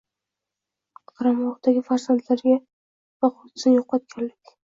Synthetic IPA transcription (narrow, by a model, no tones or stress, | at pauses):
qʰɑɾamɒʁd̪aɡʲɪfaɾzant̪laɾɡʲa | vaqʰʊt̪snjoqːɑt̪̚kʲʰanlɪkʲ